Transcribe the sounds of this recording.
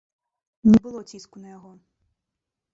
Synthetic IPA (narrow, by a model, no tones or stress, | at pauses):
nʲɛbɨlˠɔt͡sʲiskunɐjaɣɔ